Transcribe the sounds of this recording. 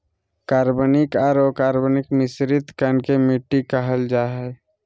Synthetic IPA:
kaːɾbənɪkaːɾoːkaːɾbənɪkmɪsɾɪt̪kənkemɪʈːikəɦəld͡ʒaːɦɛː

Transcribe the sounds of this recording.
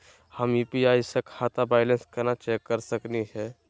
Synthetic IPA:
həmiːpiaːisekʰaːt̪abaɪlẽnskəɾnat͡ʃeːkːəɾsəkniɦɛː

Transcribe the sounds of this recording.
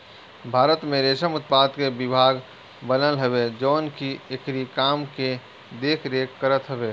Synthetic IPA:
bʱaːɾət̪mẽɾeːʃəmʊt̪̚paːd̪kebɪbʱaːɡ | bənəlɦəʋed͡ʒoːnkiekʰɾikaːmke | d̪eːkʰɾeːkkəɾət̪ɦəʋeː

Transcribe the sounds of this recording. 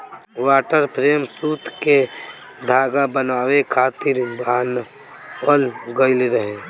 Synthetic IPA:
waːʈəɾpɾeːmsuːt̪ʰke | d̪ʱaːɡabənaːwekʰaːt̪ɪɾbʱaːn | ɔlɡəɪlɾəɦẽː

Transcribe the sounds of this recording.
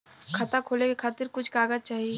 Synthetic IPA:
kʰat̪akʰoːlekekʰaːt̪ɪɾkʊt͡ʃʰkaːɡəd͡ʒ̚t͡ʃaːɦie

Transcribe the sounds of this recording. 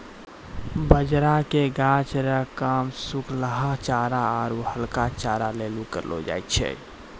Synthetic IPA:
bəd͡ʒɾakeɡat͡ʃɾəkəmsukʰləɦat͡ʃaɾaaɾohəlkat͡ʃaɾalelukə̰ɾlo̰d͡ʒa̰jt̪̚t͡ʃʰɛ̰

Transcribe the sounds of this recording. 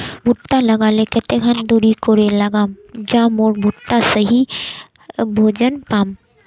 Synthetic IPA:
bʱʊʈːalɐɡaːlekɛt̪eɡʱɐnd̪uɾikoɾelɐɡaːm | d͡ʒãːmoːɾbʱuʈːasəɦi | bʱoːd͡ʒənpaːm

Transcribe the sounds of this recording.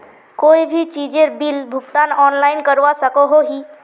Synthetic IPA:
koibʱit͡ʃid͡ʒeɾbilbʱʊɡt̪anɔːnlaɪnkəɾʋasəkoɦoɦi

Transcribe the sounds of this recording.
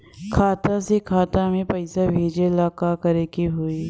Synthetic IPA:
kʰaːt̪ãsekʰaːt̪amẽpɐɪsabʱeːd͡ʒelaːkakɐɾeːkiɦoːi

